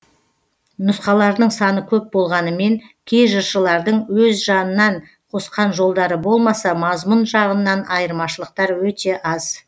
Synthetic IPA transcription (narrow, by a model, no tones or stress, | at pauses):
nʊsqɑlˠɑɾd̪əɴsɑnəkʲʰɵp̚bo̞lˠʁɑnəme̞ŋkʲʰe̞jʒəɾʃəlˠɑɾd̪əɴwɵzʒɑnənːɑɴ | qʰo̞sqɑnʒo̞lˠd̪ɑɾəbo̞lˠmɑsɑmɑzmʊnʒɑʁənːɑnɑjəɾmɑʃəlˠəq̚t̪ɑɾwɵt̪e̞ʔɑz̥